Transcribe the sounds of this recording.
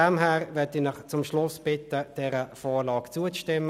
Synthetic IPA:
ɛmɦɛːʁvɛtinɪχt͡sʊmʃlʊsb̥ɪtəd̥ɛːʁəfɔːʁlɑːkt͡suət͡sʃtɪmːə

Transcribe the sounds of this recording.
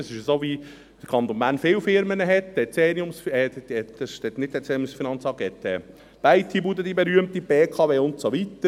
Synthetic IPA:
sɪʃəsoːʋi | d̥əkʰɑnt̪ɔnbænfɪwfɪɾmənəɦɛt̪ɛt͡seːniʊmsfɛəʃtɛt̪nɪt̚dɛt͡sɛːʊmsfinɑnt͡sɑɡɛt̪ɛː | b̥æɪt̪ʰibud̪əd̪ibɛɾyəmt̪ib̥eːkʰɑʋeːʊntsoʋit̪ːə

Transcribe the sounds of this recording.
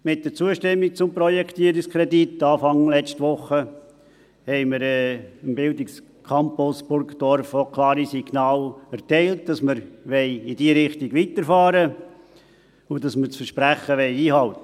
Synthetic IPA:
mɪt̚d̥əɾt͡suəʃtɛmːik̚t͡sʊmpɾɔjɛkʰtiːɾɪkskʰɾɛditːɑːfɑŋlɛt͡ʃtʋʊχə | hɛɪməɾɛəmbɪldɪks | kʰɑmpʊsb̥ʊɾɡd̥ɔɾfokʰlɑːɾisiɡnɑːlɛɾtɛɪlt̚d̥ɑsməɾʋɛɪɪdiːɾɪχtiɡʋitəɾfɑːɾə | ʊd̥ɑsməɾt͡sfəɾʃpɾæχəʋɛɪiːhɑlt̪ə

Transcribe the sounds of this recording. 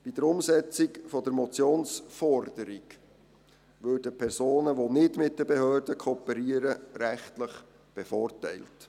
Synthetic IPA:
b̥id̥̪əɾʊmsɛt͡sikfɔd̥̪əɾmɔt͡sjoːnsfɔrd̥əɾik | ʋøːɾdəpʰɛrsoːnəʋonɪtmɪt̚d̥əbɛhøːrdəkʰɔpəɾiəɾəɾæχtləχ | b̥ɛfɔːrtɛ̰ɪlt

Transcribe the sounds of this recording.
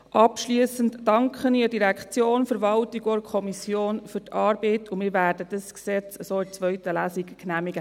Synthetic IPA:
ʔɑpʃliəsəntːɑŋkχəniədiɾækt͡sjoːnfəɾʋɑltiɡoɾkʰɔmisjoːnfyɾtɑːɾb̥ɛɪtʊmɪːɾvʋæːɾdəd̥əsksɛt͡səsoːɪt͡sʋœɥtəlæːsikknæːmiɡə

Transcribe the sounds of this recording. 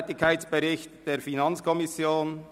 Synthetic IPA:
tɪkʰːaɪt͡sb̥ɛɾɪçtd̥eːɾfinɑnt͡skʰɔmɪsjoːn

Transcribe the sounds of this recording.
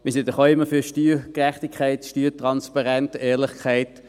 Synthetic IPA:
mɪsɪndəχoːɪmːəfyɐʃtyːkʁɛχtikʰχaɪtʃtyːtʁɑnspɑʁɛntɛːʁlɪχkʰaɪt

